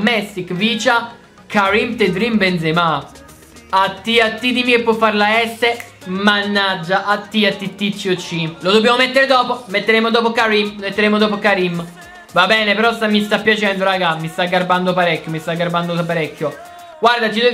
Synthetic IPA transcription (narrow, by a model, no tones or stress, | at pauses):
mɛsːikviːt͡ʃa | kaɾimt̪ed̪ɾimbenzema | at̪ːiat̪ːid̪imiepːwɔfːaɾlaɛst̪emanːad͡ʒːaʔat̪ːiat̪ːit̪ːit͡ʃːiot͡ʃːilod̪obːjamomet̪ːeɾed̪ɔːpomet̪ːeɾemod̪ɔːpokaɾimmet̪ːeɾemod̪ɔːp̬okaɾimː | vabɛːnepeɾɔst̪amːist̪apːjat͡ʃɛnd̪oɾaɡamist̪aɡːaɾband̪oapaɾɛkʲːomist̪aɡːaɾband̪oapaɾɛkːjo | ɡward̪at͡ʃid̪u